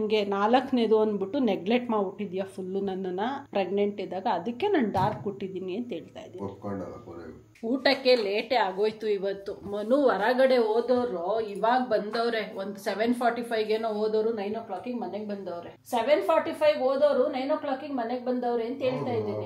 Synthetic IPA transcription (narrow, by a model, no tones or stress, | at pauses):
ɐŋɡe̞naːlɐkːneːd̪uɐnbiʈːuneɡleʈmaːuʈːid̪ijɐpʰulːunɐnːɐnːɐpɾeɡɳeɳʈid̪aːɡɐːd̪ɐkːe̞nɐnɖaːɾkuʈːid̪iːniɐnt̪ɦeːɭt̪a̰ːjd̪iːi | uːʈɐkːe̞leːʈeaːɡoːjt̪uiʋɐt̪ːumɐnuʋɐɾɐɡɐɽe̞oːd̪oːɾoːiʋaːɡɐbɐnd̪ɐʋɾeond̪useʋenpʰaːɾʈipʰɐjɡeːnoːɦoːd̪oːɾunɐjnokɭaːkiŋɡmɐneɡbɐnd̪ɐːʋɾeseʋenpʰaːɾʈipʰɐjɡoːd̪oːɾunɐjnoːkɭaːkiŋɡmɐneɡebɐnd̪ɐʋɾeːnt̪e̞ːɭt̪aːjid̪iːni